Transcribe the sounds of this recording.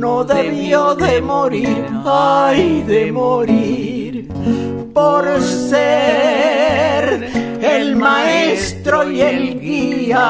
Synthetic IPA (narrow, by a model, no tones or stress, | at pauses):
noðeβjoðemoɾiɾaiðemoɾiɾ | poɾse | ɾelmaest̪ɾojelɡia